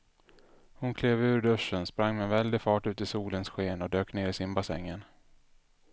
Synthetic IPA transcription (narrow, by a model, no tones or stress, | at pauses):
hʊnkʰleːvʉ̟ːɾɖɵʂːənspɾaŋːmɛnvɛld̪ɪfɑːʈʉ̟ːt̪ɪsuːlənsɧeːnɔd̪øːkneːɾɪsɪnbasɛ̰ŋːən